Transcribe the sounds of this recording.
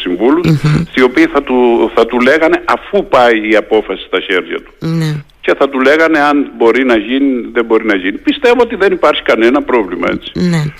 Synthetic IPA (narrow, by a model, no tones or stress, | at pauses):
siɱvulusst̪io̞piːθɐt̪uθɐt̪ule̞ɣɐne̞ʔɐfupɐiːɐpo̞fɐsi̥st̪ɐçe̞ɾʝɐ̰t̪u̥ne | ce̞θɐt̪ule̞ɣɐne̞ɐnbo̞ɾinɐʝiniðembo̞ɾinɐʝinipist̪e̞voot̪̬iðe̞nipɐɾçi̥kɐne̞nɐpɾo̞vlimɐ̰e̞t͡si̥ne